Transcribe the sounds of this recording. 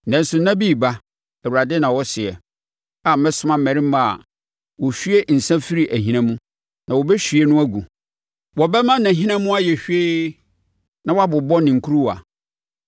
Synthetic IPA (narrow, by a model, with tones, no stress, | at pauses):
nã˨n˦sʊ˨nã˦bi˦˨ba˦ | ɛ˨wu˨ɾa˨dɪ˦nã˨wɔ˦sɪ˨ɛ˨ | a˨m̩˦mɛ̃˦sʊ˦mã˦m̩˦mɛ̃˨ɾĩ˦mã˨a̰˨ | wɔ˨ɕᶣɥe˦n̩˨sã˦fi˦ɾi˨ʔæ˨ɦĩ˦nã˦mũ˦ | nã˨wɔ˨bɛ˦ɕᶣi˨e˦nʊ̃˦æ˦ɡu˨ | wɔ˨bɛ˦mã˦nã˨ɦĩ˦nã˦mũ˦a˦jɛ˨ɕᶣe˦ | nã˨wa˦bʊ˨bɔ˦nɪ̃˨ŋ̩˨kʰu˦ɾu˦wa̰˨